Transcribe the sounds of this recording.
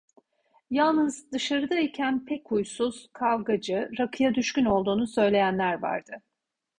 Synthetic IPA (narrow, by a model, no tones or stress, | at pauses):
jalˠnɯzd̪ɯʃaɾɯd̪aicʰænpʰɛchujsuz̥kʰavɡad͡ʒɯɾakʰɯjad̪yʃkyno̞lˠd̪uːnusø̞jlʲe̞jænlʲæɾva̰ɾd̪̥ɯ